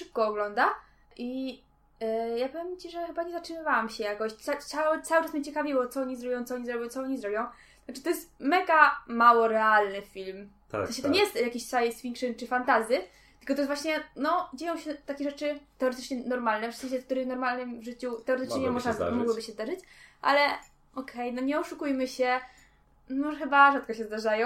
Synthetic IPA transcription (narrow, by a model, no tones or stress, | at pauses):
ʂɘp̚kɔːɡlɔnd̪a | ʔi | japɔvʲjemt͡ɕiʐɛxɘbaɲɛzatʂɨmɘvawamɕɛjakɔɕsasawt̪sawɘʈ͡ʂasmɲɛt͡ɕɛkavʲiwɔt̪sɔɔɲizɾɔbjɔ̃w̃t̪sɔɔɲizɾɔbʲjɔ̃w̃t̪t͡s̪ɔɔɲizɾɔbʲjɔ̃w̪̃ | at͡ʂɨt̪ɔjɛst̪mɛɡamawɔɾɛalnɘfʲilm | a̰zaɕɛt̪ɔɲɛjɛst̪jakʲiɕsajsfʲiŋkʂɨnt͡ʂɨfant̪azʲjɘ | t̪ɘ̥lkɔt̪ɔjɛsvwaɕɲɛnɔd͡ʑejɔ̃w̃ɕɛt̪akʲeʐɛt͡ʂɘt̪ɛɔɾɛt̪ɘ̥t͡ʂɲɛnɔɾmalnɛvʂsɛ̃ɕlɛfk̚t̪uɾɘmnɔɾmalnɘmvʐɘt͡ɕut̪ɛɔɾɛt̪ɘ̥t͡ʂɲɛɲɛmɔʐna̰mɔɡwɔbɘɕɛzd̪aʐɘt͡ɕʔa̰lɛ | ɔkʰɛjnɔɲɛɔʂukujmɘɕɛ | mɔʐɛxɘbaʐat̪̚kɔɕɛzd̪aʐajɔ̃